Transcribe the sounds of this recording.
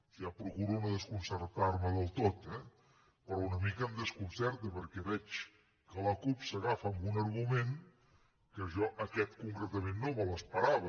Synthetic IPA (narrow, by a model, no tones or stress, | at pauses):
iapɾukuɾuməðəskunsərt̪arməðəlˠt̪ot̪ɛ | pɾɔunəmikəːmd̪əskunsɛɾt̪əpəɾkɛβɛt͡ʃ | kələkupsəɣafəmbunəɾɣumeŋ | kəʒɔʔəkɛt̪kuŋkɾət̪əmenːomələspəɾaβə